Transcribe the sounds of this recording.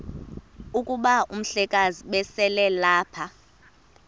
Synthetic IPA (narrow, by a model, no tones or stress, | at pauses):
ukʼuɓaʔum̩ɬɛkʼaziɓɛsɛlɛlaːpʰa